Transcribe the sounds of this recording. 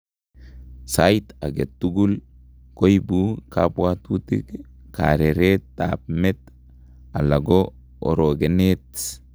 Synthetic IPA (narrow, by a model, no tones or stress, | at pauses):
sajt̪aɡet̪ːuɡul | kojbukabwat̪ut̪ḭk | ka̰ɾeɾetapmet̪ | alaɡo | o̰ɾoɡenet̪